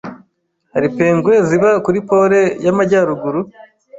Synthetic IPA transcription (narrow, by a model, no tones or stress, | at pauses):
haɾipeːŋɡwe̞ziβakuɾipo̞ːɾe̞jamaɟaːɾuɡuɾu